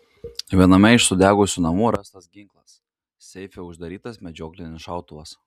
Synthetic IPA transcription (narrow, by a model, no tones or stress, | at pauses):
ʋʲiɛnɐmʲɛɪʃsʊd̪ʲæːɡʊsʲuːnɐmuːɾɑst̪ɐsɡʲɪŋklˠɐs | sʲɛɪfʲeʊʒd̪ɐɾʲiːt̪ɐsmʲɛd͡ʒʲoːklʲɪnʲɪsʃɑˑʊt̪ʊʋɐs